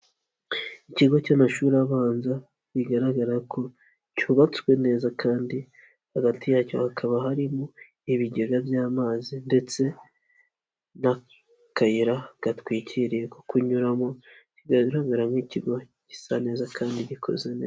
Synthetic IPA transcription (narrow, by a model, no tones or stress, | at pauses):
iciɡo̞camaʃuːɾiaβaːnza | βiɡaɾaɡaɾakʰo̞ | cuβat͡skwe̞ne̞ːzakʰaːndi | haɡatijaːco̞̰hakʰaβaɦaɾimo | iβiɟe̞ɡavjaːmaːzinde̞t͡se̞ | na | kajiɾaɡ̥atwiːcʰiɾije̞ko̥kuɲuɾamociɡaɾaɡaɾamiciɡo̞ | ci̥sane̞ːzakʰaːndiɟikʰo̞̰ze̞neːza